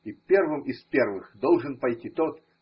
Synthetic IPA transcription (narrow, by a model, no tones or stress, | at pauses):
ipʲervɨmispʲervɨxd̪olˠʐɨnpɐjtʲit̪ot̪